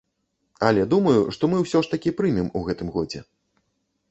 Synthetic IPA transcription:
ɐ̰lʲɛd̪umɐjuʂt̪ɔmɨwsʲɔʂt̪ɐkʲipɾɨmʲimuɣɛt̪ɨmɣɔd͡zʲɛ̰

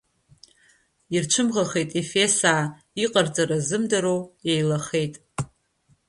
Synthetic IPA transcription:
irt͡ʃʷʰɨmʁaχe̞jtʼefe̞saː | iqʼart͡sʼaɾazɨmdaɾowejlaχe̞jtʼ

